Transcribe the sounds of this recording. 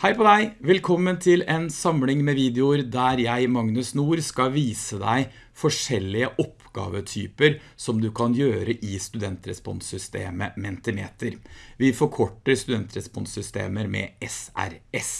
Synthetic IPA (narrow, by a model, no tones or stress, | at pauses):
hæɪpɔd̪æɪʋɛlkʰɔmːənt̪ʰɪlɛnsɑmlɪŋmɛʋiːd̪ɛʊɾd̪æɾjæɪmɑŋnʉsnuːɾskɑʋiːsəd̪æɪ | fɔʂɛlːɪəʔɔpɡɑ̰ːʋət̪ʰy̰ːpəɾ | sɔmd̪ʉkʰɑnjøːɾəʔɪst̪ʉd̪ɛnt̪ɾɛspɔ̰nsʏst̪ḛːməmɛnt̪əmḛːt̪əɾʋɪfɔɾkʰɔʈːəɾst̪ʉd̪ɛnt̪ɾɛspɔnsʏst̪ḛːməɾmɛ̰ɛsæ̰ɾɛs